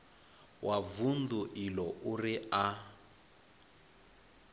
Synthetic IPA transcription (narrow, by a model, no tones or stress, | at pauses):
wʔavunduʔilɔʔuria